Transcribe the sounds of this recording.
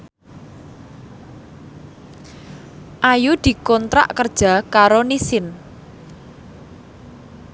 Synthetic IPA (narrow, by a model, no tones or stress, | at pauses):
ʔajud̪̥i̤kɔnt̪ɾa̰ʔkərd̥ʒ̥a̤kaɾonisɪn